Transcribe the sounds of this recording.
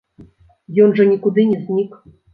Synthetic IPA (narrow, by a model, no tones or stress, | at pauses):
jɔnʐɐnʲikud̪ɨnʲɛzʲnʲik